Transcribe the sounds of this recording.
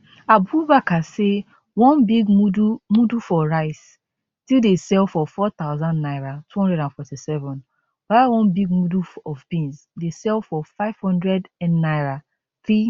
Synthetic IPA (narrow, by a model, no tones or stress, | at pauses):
abubakase | wɔ̃nbiɡmudumudufɔɹaɪs | tildesɛlˠfɔfɔt̪aʊzãnnaɪɹatʰuhɔ̃ndɹɛdãnfɔtisɛvɔ̃n | b̥awɔ̃nbiɡ̚muduɔvbĩns | desɛlˠfɔfaɪv̥hɔ̃ndɹɛdnaɪɹa | θɹi